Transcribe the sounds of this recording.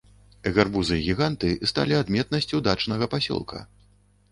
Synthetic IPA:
ɛɣʲɛrbuzɨjɣʲiɣant̪ɨst̪a̰lʲiad̪mʲɛt̪̚nɐsʲt͡sʲuwd̪at͡ʂnɐɣɐpasʲɔ̰lˠkʰɐ̰

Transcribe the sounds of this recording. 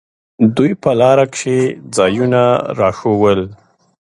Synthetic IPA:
d̪ujpəlɑɾakʂed͡zɑjunaɾɑʃowəl

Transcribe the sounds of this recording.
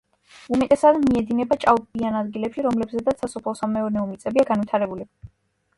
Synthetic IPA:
umɛt̪ʼɛsad̪miɛd̪inɛbat͡ʃʼalʼbianad̪ɡilɛpʃiɾɔmlɛbzɛd̪at̪ssasɔpʰlˠɔsamɛɔɾnɛɔmit̪sʼɛbiaɡanwit̪ʰaɾɛbuli

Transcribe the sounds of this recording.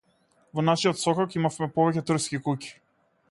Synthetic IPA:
vɔnaʃiɔt̪sɔkɔkimafmɛpɔvɛcɛt̪r̩skʲikuci̥

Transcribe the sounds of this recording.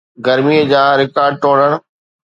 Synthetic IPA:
ɡɐɾmiəd͡ʑãːɾɪkaːɾɖ̚ʈoːɽ̤əɽ̃̆

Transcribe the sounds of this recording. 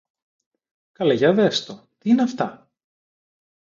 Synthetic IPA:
kɐleʝɐðest̪ot̪iineɐft̪ɐ

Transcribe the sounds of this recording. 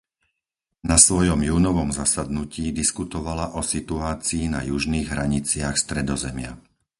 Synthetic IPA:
nasʋɔjɔmjuːnɔʋɔmzasad̪nuciːd̪iskut̪ɔʋalaʔɔsit̪uaːt͡siːnajuʒniːɣɦɾaɲit͡sɪaxst̪ɾɛd̪ɔzɛmɪa̰

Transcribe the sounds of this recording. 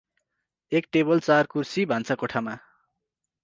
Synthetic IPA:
ekʈebʌlt͡sarkursibʱant͡sʰakoʈʰama

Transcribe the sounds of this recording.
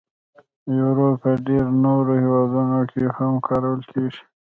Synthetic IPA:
juɾopəɖeɾnoɾohiwɑd̪unokʰehamkʰɑɾawəlkʰeʐi̥

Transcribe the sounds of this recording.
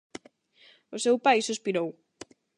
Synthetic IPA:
ʊsewpajsuspiɾow

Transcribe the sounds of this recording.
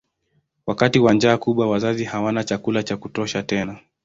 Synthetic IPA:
wakatiwand͡ʒaːkuɓwawazazihawanat͡ʃakulat͡ʃakutɔʃatɛna

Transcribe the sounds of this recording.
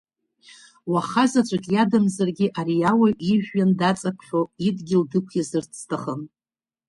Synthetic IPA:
waχazat͡ʃʷʼakʲʼjadɨmzarɡʲɪʔaɾijawaʔiʒᶣːandat͡sʼapʰħʲᶣoidɡʲɪldɨkʷʰjazɨrt͡sʰtʰaχən

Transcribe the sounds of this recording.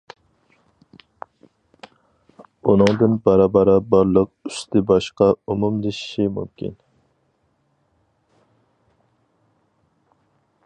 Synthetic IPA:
unɨŋd̪ɨnbɑɾɑːbɑɾɑbɑɾlˠəq̚yst̪ɪbɑʃqɑumumd̪eʃi̥ʃimṵmkʲḭn

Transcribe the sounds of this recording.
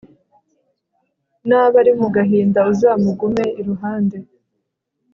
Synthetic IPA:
naβaɾimuɡaɦiːndauzaːmuɡume̞iɾuɦaːnde̞

